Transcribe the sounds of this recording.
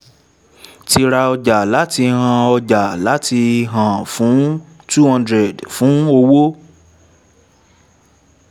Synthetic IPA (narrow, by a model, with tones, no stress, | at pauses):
ti˧ɾa˧ɔ˧d͡ʒa˨la˨˦ti˧ɦã˧ɔ˧d͡ʒa˨la˨˦ti˧ɦã˨fũ˨˦ | tu˦hã˧ndɾɛ˨dfũ˨˦o˧wo˦